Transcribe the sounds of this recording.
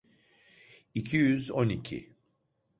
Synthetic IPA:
icʰijyzo̞nicʰḭ

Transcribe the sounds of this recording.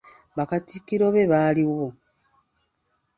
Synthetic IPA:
βakatikːiɾo̞βe̞βaliwo

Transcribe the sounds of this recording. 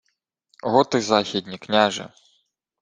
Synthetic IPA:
ɦɔt̪ɪzɑxʲid̪ʲnʲiknʲaʒɪ̰

